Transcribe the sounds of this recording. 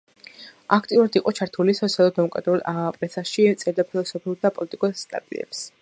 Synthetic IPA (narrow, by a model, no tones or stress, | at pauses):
akʰt̪ʼiuɾad̪iqʼɔt͡ʃʰaɾt̪ʰulisɔt̪sʰialˠɔd̪mɔmkʼɾa̰d̪ɾulˠʔapʼɾɛsaʃit̪sʼɛɾd̪apʰilˠɔsɔpʰiuɾd̪apʼɔlit̪ʼikʼɔsst̪ʼa̰t̪ʼḭɛ̰ps